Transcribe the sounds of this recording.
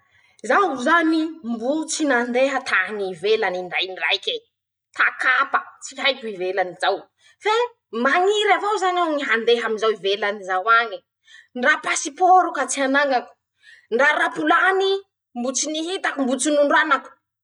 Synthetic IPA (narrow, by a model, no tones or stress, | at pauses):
zauzanimbut͡sinand̪eɦət̪ʰaŋivelaninɖ͡ʐajnira̰jkʲe | t̪akapə̥t͡si̥ɦajkʲuivelanizaw | fe | maŋiɾavowzanawŋiɦand̪eɦaminzawivelanizawaɲi | nrapasipoɾukat͡sianaŋaku̥ | nraɾapulani | mbut͡siniɦit̪akumbut͡sinuɳɖ͡ʐanaku̥